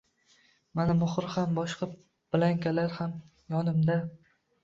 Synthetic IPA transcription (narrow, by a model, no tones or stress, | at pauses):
manɪmʊχɾhambɒʃqʰɑ | b̥ɪlaŋkʲalaɾham | jɒnɪmd̪a